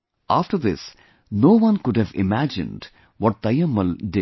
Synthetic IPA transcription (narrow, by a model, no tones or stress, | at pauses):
ʔaːfʈəɾd̪ɪ̰s | noːʋʌ̃nkʊɖhæʋɪ̰mæd͡ʒɪ̰̃nɖ | wɔʈ̚d̪t̪ɐjəmːəlɖɪ